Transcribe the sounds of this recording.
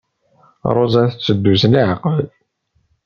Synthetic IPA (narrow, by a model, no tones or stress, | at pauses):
ɾˤozˤæθət͡sːəd̪ːusliʕqəl